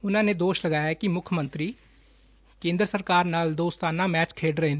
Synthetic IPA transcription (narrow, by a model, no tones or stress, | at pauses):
ʊnãːneːd̪oːʃləɡaːjakɪmʊkʰjmənt̪ɾiː | kẽːnd̪ɾəsəɾkaːɾnaːld̪oːst̪aːnãːmɛːt͡ʃkʰeːɖɾəɦeːn